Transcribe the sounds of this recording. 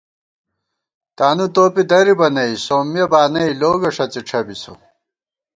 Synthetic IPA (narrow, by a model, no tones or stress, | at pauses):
t̪aːnut̪oːpid̪ɐɾibɐnɐisoːmjɐbaːnɐiloːɡɐʂɐt͡siʈ͡ʂʰɐbiso̰